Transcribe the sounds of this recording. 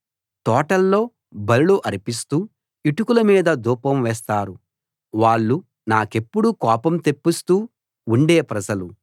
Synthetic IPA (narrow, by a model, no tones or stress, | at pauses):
t̪ɔːʈɐlːo̞ː | bɐliluʔɐɾipist̪uː | iʈukulɐmiːd̪ɐd̪uːpɐmʋɛːst̪aːɾu | ʋaːɭːu | naːke̞pːuɽukɔːpɐmt̪e̞pːist̪uː | ɳɖeːpɾɐd͡ʒɐlu